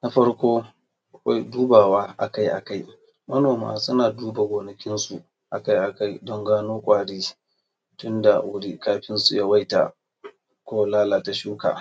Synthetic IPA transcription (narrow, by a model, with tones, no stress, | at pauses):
na˦ɸɐ˦ɽkʷoː˦ | ʔa˨kʷa̰˦jduː˦baː˨waː˦ʔa˨ka˦jʔa̰˨ka˦j | mɐ˦noː˨ma̰ː˦sʊ˦naː˨duː˦ba˨ɡʷoː˨nɐ˨kʲɪ˦nsu˨ | ʔa˨ka˦jʔa˨ka˦jdɔ˦ŋɡaː˦noː˦kʷʼaː˨ɽiː˦ | tʊ˦nda˨wʊ˦ɽi˦kaː˦ɸɪ˦nsu˨ja˦wa˦jta̰˨ | kʷoː˦wlaː˦laː˨ta˨ʃuː˦ka̰˨